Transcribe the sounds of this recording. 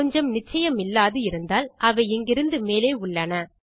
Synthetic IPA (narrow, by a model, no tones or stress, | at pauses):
ɔɲd͡ʒɐmnɪt͡ʃːɐjɐmɪlːaːðɯɪɾɯnd̪aːlʔɐʋɐɪɛŋɡɪɾɯnd̪ɯmeːleːʊɭːɐnɐ